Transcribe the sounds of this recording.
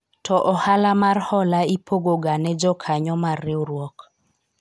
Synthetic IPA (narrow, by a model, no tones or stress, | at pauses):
tɔʔɔhalamarhɔlaipoɡoɡanɛd͡ʒɔkʰaɲɔmarɪɔɾwɔk